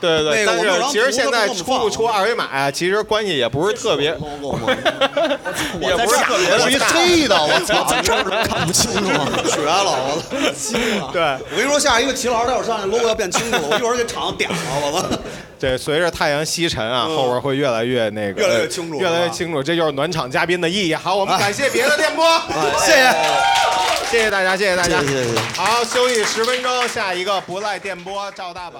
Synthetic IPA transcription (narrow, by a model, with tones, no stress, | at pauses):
t̪we˥˧ɪt̪we˧e˥˩˧a˥˧˨ɻ̩ʰ˥˧˩i˧˥˧ʂɻ̩˧˥ɕjɛ˥˧˥nt͡sa˧˥˩ɪ˥ʈ͡ʂʰu˥˧˥pu˥˩ʈ͡ʂʰu˥a˥˧we˧˥ɪma̰˨˩ɪa˦t͡ɕʰi˧˥ʂɻ̩˧˥kwa˥nɕi˨˩jɛ˨˩pu˧˥ʂɻ̩˥˧t̪ʰɤ˥˩pjɛ˧˥˧ | jɛ˨˩pʂɻ̩˥˧ta˨ɤ˥˩jʰwe˥i˥˩d̪ə˨˩wɔ˧˩˥ə˨˩˥n˥kʰnpu˥˩t͡ɕʰi˥ŋʈ͡ʂɕɥɛ˧˥lə˨˧wɔ˧˥˩ɕi˥˧˩t̪we˥˩ɪɔ˨˩˥ʂɔ˥ɕja˥˩˧i˧˥ɡə˧˩t͡ɕʰi˧˥lɑ˧˥˩ɔ˨˩˥n˧lɔ˥wɔ˧jpjnʰ˩i˥ŋʈ͡ʂːʰʈ͡ʂʰɑ˨˩ŋnə˥t̪jɛ̰˨˩ɑ˧˥lə˧ə˧ | ʈ͡ʂe˥˧˩swɛ˧˥ɪɻ̩˥˧t̪ʰa˥˩ɪjɑ˧˥ŋɕi˥ʈ͡ʂʰə˧˥na̰˧xo˥˧ʊwə˞˧˥xwe˥˧ɪɥɛ˥˩la˧˥ɪɥɛ˥˧ne˥˩ɡɛ˥˩˧ɪ˥ɛ˥˩t͡ɕʰi˥ŋu˧˩ɥɛ˥˩la˧˥ɪɥɛ˥˩t͡ɕʰi˥ŋʈ͡ʂʰu˨˩ʈ͡ʂɤ˥˧t͡ɕjo˧ʂɻ̩˥˩nwa˧˥nʈ͡ʂʰɑ˨˩ŋt͡ɕja˥pji˥nd̪ə˨i˥˧i˥˩xɑ˧˥ʊwɔ˨˩m˦˨˥ka˨˩nɕjɛ˥˩pjɛ˧˥d̪ə˧t̪jɛ˥˩npwɔ˥˩ɕjɛ˥˩ɕɛ˨˩ | ɕjɛ˥˩ɕjɛ˧t̪a˥˩t͡ɕja˥ɕ̬jɛ˥˩ɕjɛ˧t̪a˥˩t͡ɕja˥ɛ˥˩xɑ˧˥ʊɕjo˥ʊi˥˩ʂɻ̩˧˥fə˥nʈ͡ʂo˥ɕja˥˩i˧˥ɡə˧pu˧˥la˥˧ɪt̪jɛ˥˩npwɔ˥ʈ͡ʂɑ˥˧ʊt̪a˥˩bɐ˨˩